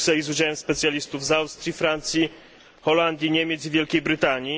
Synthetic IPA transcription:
sɛizud͡ʑawɛmspɛt̪sʲjalʲist̪uvzawst̪ɾʲjifɾant̪sʲji | xɔland̪ʲjiɲemʲjet̪sivʲjɛlkʲejbɾɘt̪aɲi

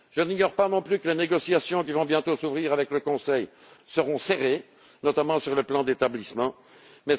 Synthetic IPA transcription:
ʒ̥əniɲɔʁpanɔ̃plykəleneɡɔsjasjɔ̃k̬ʲivɔ̃bjɛ̃t̪osuvʁiːʁavɛkləkɔ̃sɛj | səʁɔ̃seʁe | nɔt̪amɑ̃syʁləplɑ̃d̪et̪ablismɑ̃ | mɛ

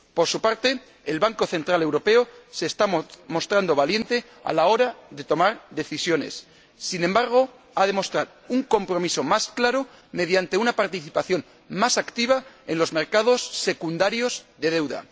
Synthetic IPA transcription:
po̞ɾsupaɾt̪e̞ː | lβaŋko̞θe̞nt̪ɾale̞wɾo̞pe̞ose̞ːst̪amo̞st̪ɾand̪o̞β̞alje̞nt̪e̞ | a̰lao̞ɾaðe̞t̪o̞maɾðe̞θisjo̞ne̞̰sː | inembaɾɣ̞o̞ | aðe̞mo̞st̪ɾaɾ | uŋko̞mpɾo̞miso̞masklaɾo̞ | me̞ð̞jant̪e̞unapaɾt̪iθipaθjo̞n | masakt̪iβ̞ae̞nlo̞zme̞ɾkað̞o̞sːe̞kund̪aɾjo̞zðe̞ð̞e̞wða̰

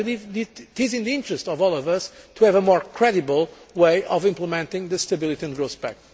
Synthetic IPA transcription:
ɨlˠivðitɪzɪ̃nðiɪ̃ntɹɨstɔvɔlˠɔvʌstʰuɛvəmɔɹkʰɹɛdibəlˠweɪʔɔvɪ̃mpləmɛ̃ntɪ̃ŋðɨst̪ɐbilˠit̪iɨ̃nɡɹosbɛ̰k

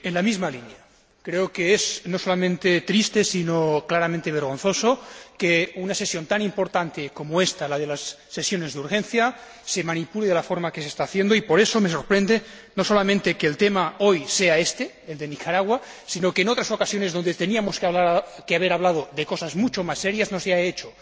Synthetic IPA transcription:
enlamizmalinja | kɾeokeezno̞solamẽnt̪et̪ɾist̪esinoklaɾamẽnt̪eβ̞eɾɣ̞o̞nθo̞sokeunasesjo̞nt̪animpo̞ɾt̪ant̪eko̞moest̪alað̞e̞lasːesjo̞ne̞zðuɾxe̞nθja | semanipuleðelafo̞ɾmake̞sest̪aːθjend̪oipo̞ɾe̞some̞so̞ɾpɾe̞nd̪e | nosolamẽnt̪e̞keːlt̪emao̞jse̞aest̪e | eld̪enikaɾaɣwa | sino̞keːno̞t̪ɾaso̞kasjo̞ne̞zðo̞nd̪et̪e̞niamoskeaβlakeaβ̞eɾaβ̞lað̞oðeko̞sazmut͡ʃomasːeɾjaznoseaet͡ʃo

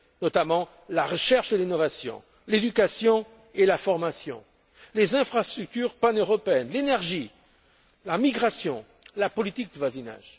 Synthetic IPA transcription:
nɔt̪amɑ̃ | laʁəʃɛʁʃd̪əlinɔvasjɔ̰̃ | led̪ykasjɔ̃ | elafɔʁmasjɔ̰̃ | lezɛ̃fχast̪χyk̚t̪yʁpanøʁɔpeɛnlenɛʁʒi | lamiɡʁasjɔ̃ | lapɔlit̪ik̚d̪əvwazina̰ʒ̥

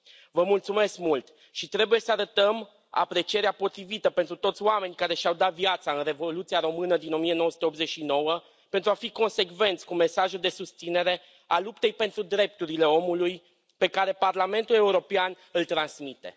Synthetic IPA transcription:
vəmult̪sume̞skmult̪ | ʃit̪ɾe̞buje̞səaɾət̪əm | a̰pɾe̞t͡ʃieɾeapo̞t̪ɾivit̪əpent̪ɾut̪o̞t̪sʲoame̞nʲkaɾe̞ʃawd̪at̪vjat̪saɨnre̞volut̪siaɾo̞mɨnəd̪ino̞mije̞nowəsu̥t̪eo̞bze̞t͡ʃʃino̞wə | pent̪ɾuafiko̞nse̞kve̞nt̪sʲkume̞saʒud̪e̞sust̪sine̞ɾe̞ | alupt̪e̞jpe̞nt̪ɾud̪ɾe̞p̚t̪uɾile̞o̞muluj | pe̞kaɾe̞parlame̞nt̪ule̞uɾo̞pean | ɨlt̪ɾansmit̪e̞̰

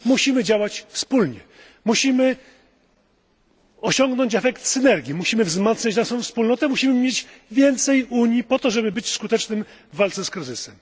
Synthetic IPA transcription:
muɕimɘd͡ʑawat͡ɕfspulɲɛ̰ | muɕimɘ | ɔɕɔŋɡnɔɲt͡ɕɛfɛkt̪sɘnɛɾɡʲimuɕimɘvzmat̪sɲad͡ʑd̪aʂɔ̃fspulnɔt̪ɛmuɕimɘmʲjed͡ʑvʲjɛnt̪sɛjuɲjipɔt̪ɔʐɛbɘbɘt͡ɕskut̪ɛt͡ʂnɘm | vːalt̪sɛskɾɘzɘsɛm

